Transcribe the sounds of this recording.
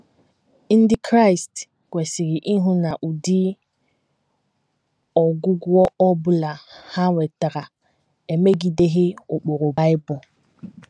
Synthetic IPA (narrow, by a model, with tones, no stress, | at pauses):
n̩˦dɪ˦kʰɾa˦jst | kʷe˨si˨ɣɪ˨ʔi˦ɦʊ˦na˨ʔu˨di˦ | ɔ˨ɡʊ˦ɡʷɔ˦ɔ˦bʊ˦la˨ha˦we˨ta˨ɾa˨ | e˨me˦ɡi˨de˦ɦɪ˦o˨k͡po˨ɾo˨ba˦ɪ˦bʊ˨